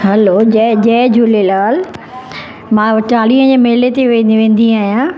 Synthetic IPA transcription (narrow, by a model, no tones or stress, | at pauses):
ɦɐlod͡ʑɛd͡ʑɛːd͡ʑulelaːl | mãːʋɐʈaːliːə̃d͡ʑeːmeɦɪlet̪eʋẽʋẽːn̆d̪ĩaːɦijãː